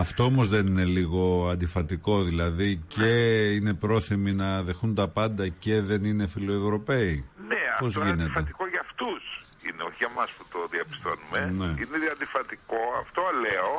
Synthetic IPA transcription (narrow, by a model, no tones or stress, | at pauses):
ɐft̪o̞omo̞zðenine̞liɣo̞ɐnd̪ifɐt̪iko̞ðilɐðice̞ine̞pɾo̞θiminɐðe̞xunt̪ɐpɐnd̪ɐce̞ðe̞nine̞filo̞evɾo̞pe̞ineɐpozʝintfɐet̪ikoʝɐft̪us | ḭneoçiɣɐmɐspu̥t̪oðiɐpi̥st̪onumeneineðɐnd̪ifɐt̪ikoɐft̪oleo